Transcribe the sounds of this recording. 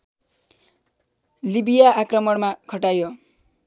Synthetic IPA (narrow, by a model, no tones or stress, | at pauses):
libijaːkrʌmʌɽmakʰʌʈajo